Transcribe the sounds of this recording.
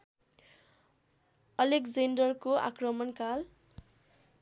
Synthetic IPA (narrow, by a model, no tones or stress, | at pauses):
ʌlekd͡zendʌrkoa̰krʌmʌnkal